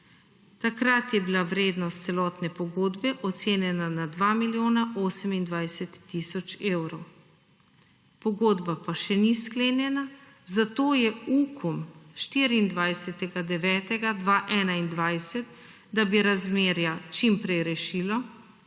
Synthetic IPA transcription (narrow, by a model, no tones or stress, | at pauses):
t̪akɾat̪jɛbilaʋɾeːd̪nɔst̪sɛlɔːt̪nɛpɔɡoːd̪bɛʔɔt̪seːnjɛnanad̪ʋamiljoːnaʔoːsɛmind̪ʋajsɛt̪ːisɔt͡ʃeːwɾɔw | pɔɡoːd̪bapaʃɛniskleːnjɛna | zat̪oːjɛukʰumʃt̪iɾiːnd̪ʋajsɛt̪ɛɡad̪ɛʋɛːt̪ɛɡad̪ʋaːʔɛːnaind̪ʋajsɛt̪ | d̪abiɾazmeːɾjat͡ʃimpɾɛjɾɛʃiːlɔ